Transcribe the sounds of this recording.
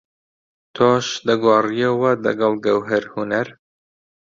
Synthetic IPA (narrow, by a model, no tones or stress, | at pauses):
t̪ʰoːʃd̪ɐɡwɑːrijɐwɐd̪ɐ̰ɡɐlɡɐwɦɐɾhunɐɾ